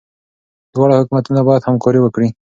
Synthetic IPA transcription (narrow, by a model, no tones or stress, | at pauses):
d̪wɑɽahʊkumat̪unabɑjad̪hamkɑɾiwəkɽi